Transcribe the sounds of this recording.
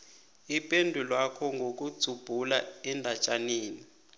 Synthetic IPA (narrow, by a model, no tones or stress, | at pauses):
ipʼendʱulwakʰɔŋɡʱok̬ʼud̥z̥ʱub̥ʱulaɛndʱat͡ʃʼaniːni